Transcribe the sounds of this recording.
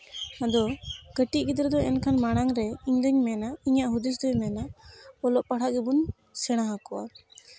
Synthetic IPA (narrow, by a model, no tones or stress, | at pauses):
ad̪ɔɡ̥əʈiʔkid̪ɾd̪ɔʔɛnkʰanmaɽ̃aŋɾɛiɲd̪əɲmɛnaiɲaʔɦud̪is̬d̪ɔjmɛnaɔlɔʔpaɽ̤aʔɡɛbun | sɛɽ̃aɦakɔwa̰